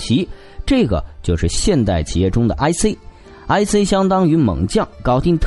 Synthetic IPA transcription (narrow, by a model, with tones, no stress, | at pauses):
t͡ɕʰi˧˥ | ʈ͡ʂɤ˥˩ɡə̰˩t͡ɕjo˥˧ʊʂɻ̩˥˧ɕjɛ˥˧nt̪a˥˩ɪt͡ɕʰi˨˩jɛ˥˩ʈ͡ʂʊ˥ŋd̪ə˩ʔa˥ɪse˥ɪ | a˥ɪse˥ɪɕjɑ˥ŋt̪ɑ˥ŋy˧˥mɤ̰˨˩ŋt͡ɕjɑ˥˩ŋkɑ˥ʊt̪i˥˧ŋt̪ʰ